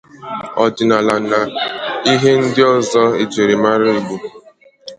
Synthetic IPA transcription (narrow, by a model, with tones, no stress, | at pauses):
ɔ˨d͡ʒɪ˨na˨la˨na˨i˦ɦe˦n̩˦dɪ˦ɔ˦zɔ˦e˨d͡ʒe˨ɾe˨ma˦ɾɪ˦bu˦